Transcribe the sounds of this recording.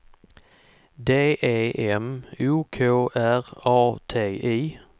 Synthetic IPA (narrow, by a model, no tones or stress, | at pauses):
d̪eːʔeːʔɛmuːkʰoːʔæʁɑːt̪ʰeːʔiː